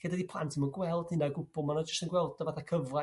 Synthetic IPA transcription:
ɡ̥ədadipʰlˠantʰimɔnɡwɛlˠd̥ɪnaɡʊb̥ɔlˠmanɔd͡ʒəstənɡwɛlˠdɔvaθakʰəvra

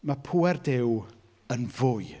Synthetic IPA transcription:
mapʰuːɛrdɪw | ənvʊɨ

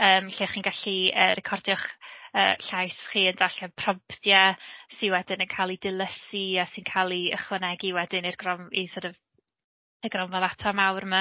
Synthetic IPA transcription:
əːmɬiːχiːnɡaɬiəːrɛkʰɔrdjɔχə̰ːɬajsχiːəndaɬɛpʰrɔmpʰdjasinwɛdɪnənkʰalˠidɪlˠəsiasinkʰaːlˠiəχwənɛɡiwɛdɪnirɡ̥rɔmisədəv | əɡrɔmvavatʰamawrma

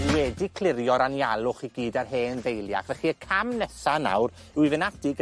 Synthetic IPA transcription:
wɛdikʰl̥ˠɪɾjɔɾanjalˠʊχiɡiːdarɦeːnðejlˠja̰χvɛχiəkʰamnɛsana̰wr | wivɪnadɪɡ

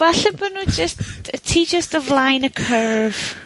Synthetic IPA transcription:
vaɬɛbənuːd͡ʒəsttʰiːd͡ʒəstəvlajnəkʰəɹv̥

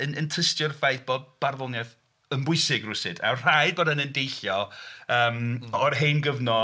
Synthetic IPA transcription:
ənəntʰəstjʊrfajθb̥ɔd̚b̥arvɔŋɛð | ənbʊɨsɪɡrʊsɪd̥a̰wr̥ajd̚bɔːdanəndejɬjɔəːmɔrɦejnɡəvnɔ

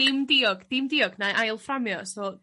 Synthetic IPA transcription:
ɪmdiɔɡd̥ɪmdɪːɔɡnaʔajlˠframjɔsɔː

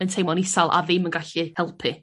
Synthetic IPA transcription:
əntʰejmɔnisalˠʔa̰vɪmənɡaɬihɛlˠpʰɨ

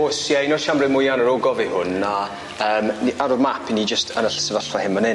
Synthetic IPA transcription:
osjainɔʃamrɪmʊjanəɾoɡɔvihʊnːa | əːmniʔaɾɔvmapʰinid͡ʒəstʰənəɬə̥səvəɬvahɪmənɪ

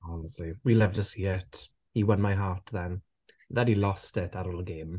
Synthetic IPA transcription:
ansiwilɪvdəsiɛtʰ | iwənmajɦaːtʰðɛn | ðɛdilˠɔstɪtʰaɾoːlˠəɡeːm

